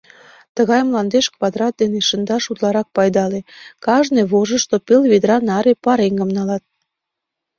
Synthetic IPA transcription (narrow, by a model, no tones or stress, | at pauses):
t̪əɣɑjmlɑnd̪eʃkβɑd̪ɾɑt̪̚d̪eneʃənd̪ɑʃut̪lɑɾɑk̚pɑjd̪ɑlekɑʒneβoʒəʃt̪opelβed̪ɾɑnɑɾepɑɾeŋɡəmnɑlɑt̪̚